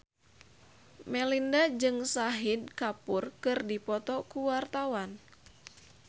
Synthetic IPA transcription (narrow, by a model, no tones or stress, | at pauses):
mɛlindad͡ʒɨŋsaɦid̚kapʊrkɨrdipɔt̪ɔkuwart̪awan